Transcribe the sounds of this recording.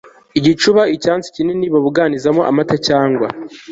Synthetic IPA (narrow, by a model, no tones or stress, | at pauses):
iɟit͡ʃuβaicaːnt͡si̥cineniβaβuɡaːnizamoʔa̰matacaːŋɡwa